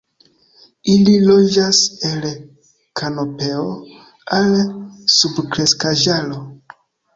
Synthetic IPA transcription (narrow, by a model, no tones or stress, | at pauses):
ililo̞d͡ʒase̞l | kʰano̞pe̞o | alsubkɾe̞skaʒalo̞